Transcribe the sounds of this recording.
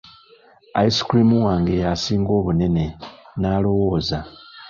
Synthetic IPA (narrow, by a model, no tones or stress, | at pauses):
aisi̥kɾimuwaːŋɡe̞jasiːŋɡo̞ːβune̞ne̞naːlo̞wo̞ːza